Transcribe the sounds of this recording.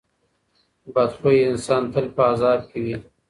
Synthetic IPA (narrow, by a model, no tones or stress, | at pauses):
bad̪χoiɪnsɑːnt̪ʰəlpəazɑːb̚kewi